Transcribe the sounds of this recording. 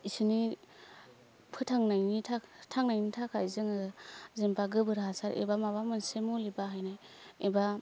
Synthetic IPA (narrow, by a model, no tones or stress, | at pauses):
isɯni | pʰɯtʰaŋnajnitʰatʰaŋnajnitʰakʰajzɯŋazempaɡɯbɯɾɦasaɾḛbamaβamɯnsemolibaɦajnajeba